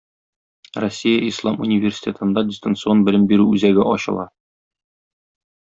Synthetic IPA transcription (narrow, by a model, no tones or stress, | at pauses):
rosʲːijəʔislˠɑmṵnʲɪvʲersʲi̥tʲet̪ɤ̆nd̪ɑdʲɪst̪ənt̪sɨonbɘ̆lɘmbiɾʉʉzæɡɘʔɒɕɤ̰̆lˠɑ